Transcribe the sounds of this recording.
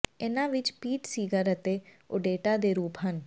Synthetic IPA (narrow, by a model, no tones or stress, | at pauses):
ɪnãːʋɪt͡ʃpiːʈsiːɡəɾət̪eː | ʊ̰ɖeːʈaːd̪eːɾuːpɦən